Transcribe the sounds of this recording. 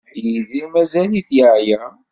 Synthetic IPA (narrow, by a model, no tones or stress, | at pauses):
jiðimæzæliθjəʕjæ